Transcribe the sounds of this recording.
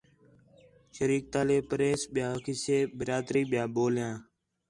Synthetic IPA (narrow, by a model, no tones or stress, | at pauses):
ʃəɾiːk̚t̪aːleːpɾeːsɓɪjaːəkʰiːseːbəɾaːd̪ɾiːɓɪjãːɓoːljãː